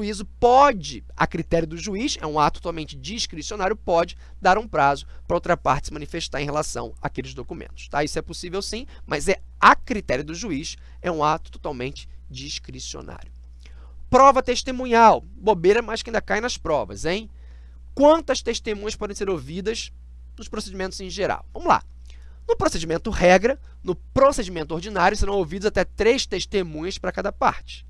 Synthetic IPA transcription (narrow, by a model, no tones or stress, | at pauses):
uizʊpɔd͡ʒɪ | ɐ̰kɾit̪ɛɾjʊd̪ʊʒuiʃɛ̰ũat̪ʊt̪ot̪awmẽnt͡ʃɪd͡ʒiʃkɾisionaɾjʊpɔd͡ʒɪ | d̪aɾũpɾazʊpɾɐowt̪ɾɐpaɾt͡ʃɪsɪmɐ̃nifeʃt̪aɾẽɦelasɐ̰̃w̃ɐkelɪzd̪okumḛ̃nt̪ʊ̥ʃt̪aisʊɛpʊsivewsĩmʔɐzɛɐkɾit̪ɛɾjɐd̪ʊʒuiʃ | ɛũat̪ʊ̥t̪o̥t̪awmẽnt͡ʃɪ̥d͡ʒiʃkɾisio̰nʔa̰ɾjʊ | pɾɔvɐt̪eʃt̪emũɲaw | bobejɾɐmajskɪaĩd̪ɐkaj̃nɐspɾɔvɐ̰zẽj̃ | kwɐ̃nt̪ɐst̪eʃt̪emũɲɐspɔd̪ẽj̃seɾovid̪ɐz | nʊspɾosed͡ʒimẽnt̪ʊzẽʒeɾa̰wvɐ̃mʊla̰ | nʊpɾosed͡ʒimẽnt̪ʊhɛɡɾɐ | nʊpɾosed͡ʒimẽnt̪ʊoɾd͡ʒinaɾjʊseɾɐ̃w̃owvid̪ʊzat̪ɛt̪ɾejʃt̪eʃt̪emũɲɐspɾɐkad̪ɐpa̰ɾt͡ʃɪ̥